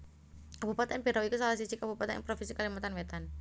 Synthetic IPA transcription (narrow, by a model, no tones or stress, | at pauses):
kabupat̪anpeɾawikusalas̬isikabupat̪ɛ̰pɾofinsikalimat̪anwet̪an